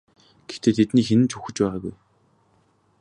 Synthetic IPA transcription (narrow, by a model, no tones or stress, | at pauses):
ɡ̥ext̪ʰeːt̪ʰet̪niːxenɘ̆t͡ɕʰuxɘ̆t͡ɕpæːʁaːɣṵj